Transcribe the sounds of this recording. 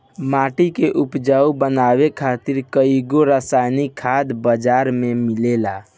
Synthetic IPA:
maʈikeʔupd͡ʒaubənawekʰat̪iɾkəiɡoɾəsajnikkʰːad̪bəd͡ʒaɾmemilela

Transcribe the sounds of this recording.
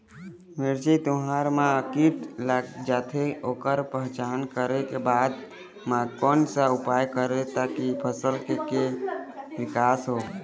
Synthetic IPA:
meɾd͡ʒit̪ʊɦaɾmãəkiʈlaɡd͡ʒaːt̪ʰeoːkəɾpəɦt͡ʃaːnkəɾekebaːd̪ | mãkɔnsəupajkəɾet̪akipʰəsəlkeke | ʋɪkaːsɦo

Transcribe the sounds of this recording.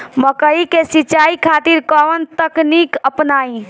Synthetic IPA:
məkəikesit͡ʃaikʰat̪iɾkɔʋənt̪əknikəpnaːĩ

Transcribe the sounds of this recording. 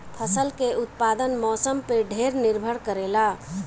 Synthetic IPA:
pʰəsəlkeʔut̪̚pad̪ənmɔsəmpeɖʱeɾniɾbʱəɽkəɾela

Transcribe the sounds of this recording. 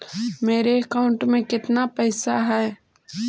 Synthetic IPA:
meːɾeɐkaʊ̃ɳʈmẽkɪt̪napɛːsaɦɛː

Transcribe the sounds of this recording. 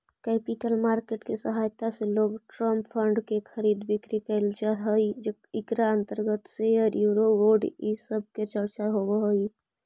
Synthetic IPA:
kɛpiʈəlmaːɾkeʈkesəɦajt̪aseloːɡʈɾəmppʰəɳɖkekʰəɾid̪bikɾikəɪld͡ʒaɦəjd͡ʒe | ikɾaənt̪əɾɡət̪seɔɾjuːɾowoɾɖisəb̚ʱket͡ʃəɾt͡ʃaɦobɦoi

